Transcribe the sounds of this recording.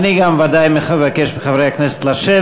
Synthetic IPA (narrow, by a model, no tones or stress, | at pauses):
niɡamvad̪ajmevakeʃbeχavʁejaknese̥t̪laʃe